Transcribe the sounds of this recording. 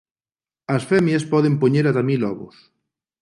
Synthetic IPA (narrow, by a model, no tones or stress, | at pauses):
ɐsfɛmjaspɔðempoɲeɾat̪amilɔβo̰s